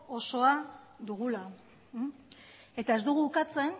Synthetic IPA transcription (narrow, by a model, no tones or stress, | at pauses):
o̞so̞a | d̪uɣula | e̞t̪ae̞zd̪uɣ̞uukat͡se̞n